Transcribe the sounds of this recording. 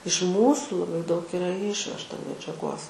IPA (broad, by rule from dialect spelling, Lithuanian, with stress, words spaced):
ɪʃ ˈmuːsuː lˠɐˈbɐɪ dɐʊk ˈɪrɐ ˈɪʃʲʋʲɛʃtɐ mʲɛd͡ʒʲɛˈɡoːs